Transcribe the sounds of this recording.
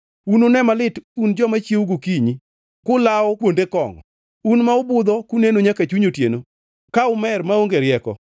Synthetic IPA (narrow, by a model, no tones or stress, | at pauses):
unonɛmalɪtund͡ʒɔmat͡ʃjeuɡokiɲi | kʊlaɔkwondekɔ̰ŋɔ̰ | unmaʊbʊd̪ɔkunenoɲakat͡ʃiɲotjeno | kaʊmɛrmaoŋɡeɾɪjɛkɔ̰